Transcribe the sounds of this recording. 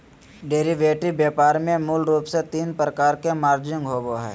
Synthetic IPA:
ɖeːɾiʋeːʈibjɛːpaːɾmẽmʊlɾuːpset̪iːnpɾəkaːɾkemaːɾd͡ʒɪ̃ŋɡɦoːboɦɛ̰ː

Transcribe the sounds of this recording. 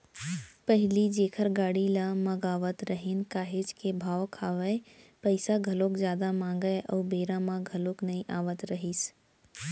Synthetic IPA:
pəɦɪlid͡ʒeːkʰəɾɡaːɽilamɐɡaːʋət̪ɾəɦɪnkaːɦed͡ʒkebʱaːʋkʰaːʋəe | pəɪsaɡʱɐloːkzjaːd̪amãːŋɡəʔɔːɾbeːɾãmãɡʱɐloknɐɦĩʔaːʋət̪ɾɐɦis

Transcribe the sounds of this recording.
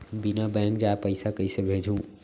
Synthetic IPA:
binabɛ̃ŋkd͡ʒaepəɪsakəɪsebʱed͡ʒʱɦũ

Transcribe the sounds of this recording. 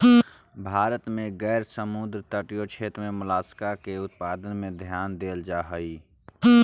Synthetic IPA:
bʱaːɾət̪mẽɡɛːɾsəmʊd̪ɾt̪əʈijot͡ʃʰeːt̪ɾmẽmʊlaːskakeʊt̪̚paːd̪ənmẽd̪ʱjaːnd̪eːld͡ʒaːɦəi

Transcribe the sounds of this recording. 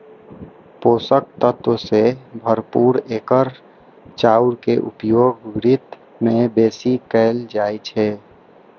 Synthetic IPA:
poːsək̚t̪ət̪wəsebʱəɾpuːɾeːkəɾ | t͡ʃaːuɾkeʔṵpjoːɡʋɾɪt̪ | mẽbeːsikɛɪld͡ʒaːjt͡ʃʰɛ

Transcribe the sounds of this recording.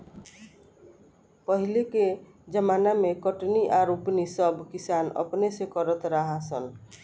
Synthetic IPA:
pəɦileke | d͡ʒəmanamekɔʈniʔaɾupnisəbkisanə̰pnesekɔɾət̪ɾaɦasə̰n

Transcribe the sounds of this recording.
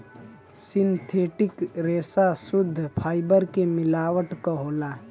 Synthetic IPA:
sɪnt̪ʰeːʈɪkɾeːsasʊd̪ʱːpʰaːɪbəɾkemɪlaːwəʈkoɦoːlaː

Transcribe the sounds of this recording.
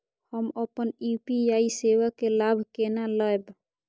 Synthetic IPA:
həməpənupiaisewakːelabʱkenaləjb

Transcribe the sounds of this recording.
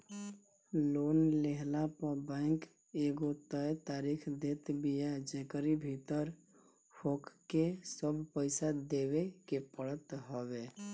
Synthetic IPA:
loːnleɦlapəbɛ̃ɪŋk | eːɡot̪əet̪aːɾiːkʰd̪eːt̪bijad͡ʒeːkəɾibʱit̪əɾ | fʰoːkkesəbʱpəɪsad̪eːwekepəɽət̪ɦoweː

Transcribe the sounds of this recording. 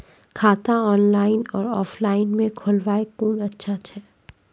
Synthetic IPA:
kʰaːt̪ãɔːnlaːɪnɔːɾɔːflaːɪnmẽkʰʊlwaːekuːnɐtːʃʰat͡ʃʰɛː

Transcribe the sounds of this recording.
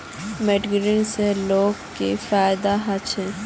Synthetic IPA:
meɖɡɾinseloːɡkefaːɪd̪aɦat͡ʃʰɛ

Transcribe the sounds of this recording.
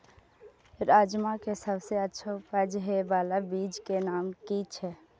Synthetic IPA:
ɾaːd͡ʒmãkesəbseətːʃʰaʊpəd͡ʒɦɛbaːlabiːd͡ʒkenaːmkiːt͡ʃʰɛː

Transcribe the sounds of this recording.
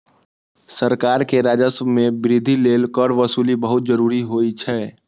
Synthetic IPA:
səɾkaːɾkeɾad͡ʒəsmebɾid̪ʱilelkəɾʋəsuːlibəɦʊt̪̚d͡ʒəɾuːɾiɦoit͡ʃʰɛ

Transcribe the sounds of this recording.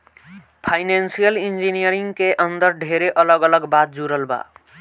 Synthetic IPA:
pʰaɪnensijəlind͡ʒinijəɾiŋɡkeʔənd̪əɾɖʱeɾeʔələɡələɡbat̪̚d͡ʒuɾəlba̰

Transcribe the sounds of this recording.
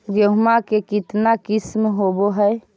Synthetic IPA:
ɡoɦmakekɪt̪nakɪsmɦoboɦəj

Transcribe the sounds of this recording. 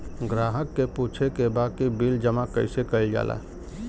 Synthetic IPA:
ɡɾaːɦəkːeput͡ʃʰekebaːkibild͡ʒəmakə̰ɪsekəilɡa̰ːlʔa̰ː

